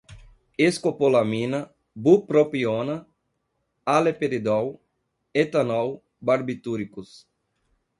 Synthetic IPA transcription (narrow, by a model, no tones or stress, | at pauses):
eskopolamĩnɐ | bupɾopionɐ | alepeɾid̪aw | et̪anaw | baɾbit̪uɾikus